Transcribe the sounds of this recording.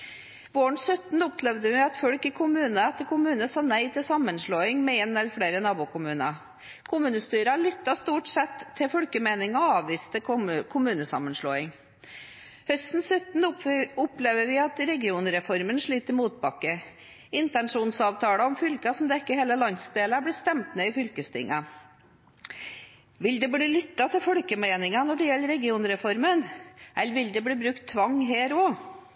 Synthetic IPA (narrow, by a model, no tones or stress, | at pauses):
ʋoːəɳsœt̪n̩ʊplɛʋd̪əʋɪɑt̪fɔɽkɪkʰʊmʉːnəɛt̪ːəɾkʰʊmʉːnəsɑːnæɪt̪ʰɪlsɑmːənʂloːɪŋmɛeːnɛləɾfɽeːɾənɑːbuːkʰʊmʉːnɑ | kʰʊmʉːnəst̪yːɾɑɭʏt̪ːɑst̪uːʈsɛt̪ʰːɪlfɔɽkəmeɪnɪŋɔɑːʋʋiːst̪ʰəkʰʊmʉːnəsɑ̰mːənʂɭo̰ːɪŋ | hœst̪n̩sœt̪n̩ʊpleːʋəɾʋɪɑt̪ɾɛɡɪuːnɾɛfɔɾmənʂɭiːt̪əɾmuːt̪̚bɑkːə | ɪnt̪ɛnʂuːnsɑːʋt̪ʰɑːɽəɔmfʏlkɑsɔmd̪ɛkːəheːləlɑnsd̪eːləblɪːst̪ɛmt̪meːɪfʏlkəst̪ʰɪ̰ŋːɑ | ʋɪld̪ɛbɽiːlʏt̪ːɑt̪ʰɪlfɔɽkəmeːnɪŋɑnɔɖɛjɛlːəɾɛɡɪuːnɾɛfɔɾmənʔɛlːəɾʋɪld̪ɛbɽiːbɾʉkt̪ʰːʋɑŋɦeːɾoː